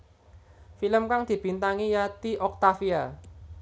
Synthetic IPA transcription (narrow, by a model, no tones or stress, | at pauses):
filəmkaŋd̪̥i̤b̥int̪aŋijat̪iʔɔk̚t̪afia